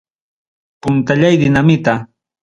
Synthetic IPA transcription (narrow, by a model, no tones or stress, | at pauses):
pʊnt̪aʎajd̪ɪnamɪt̪a